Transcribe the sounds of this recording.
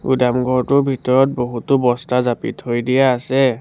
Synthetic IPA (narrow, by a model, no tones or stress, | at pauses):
ṵdamɡʱɔɹtʊɹbʱitɔɹɔt̚boɦutʊbɔstazapḭthojdijaːsɛ